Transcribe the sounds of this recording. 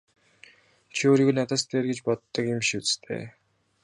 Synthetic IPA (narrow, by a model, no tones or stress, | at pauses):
t͡ɕʰioːɾiːɣuːjnat̪aːst̪ʰeːrɡet͡ɕpɔt̪ːɞ̆kimʃut͡sɘ̥t̪ʰḛː